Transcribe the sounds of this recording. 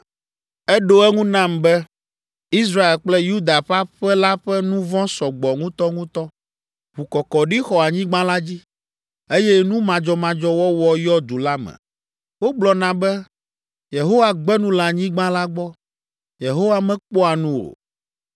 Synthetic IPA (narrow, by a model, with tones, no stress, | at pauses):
ɛ˦ɖo˦ɛ˦ŋũ˦nã˦˨mbɛ˦ | i˦sɾa˦e˨lk͡plɛ˦ju˦d̪a˨ɸa˦ɸɛ˦la˦ɸɛ˦nũ˦vɔ̃˦sɔ˨ɡ͡bɔ˨ŋũ˦t̪ɔ˦ŋũ˦t̪ɔ˦ | ɸu˨kɔ˨kɔ˨ɖi˦xɔ˨a˨ɲĩ˦ɡ͡bã˦la˦d͡ʑi˦ | e˦jɛ˦nũ˦mã˨d͡ʒɔ˦mã˨d͡ʒɔ˦wɔ˦wɔ˦jɔ˦d̪u˨la˦mɛ̰̃˨ | wo˦ɡ͡blɔ˨nã˨bɛ˦ | je˨ɦo˦wa˨ɡ͡bɛ˦nũ˦lã˨ɲĩ˦ɡ͡bã˦la˦ɡ͡bɔ˦ | je˨ɦo˦wa˦mɛ̃˦k͡pɔ˦a˨nũ˦ɾo̰˨